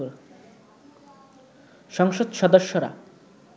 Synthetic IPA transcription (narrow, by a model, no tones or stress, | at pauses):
ʃɔŋʃod̪ʃɔd̪oʃːoɾa̰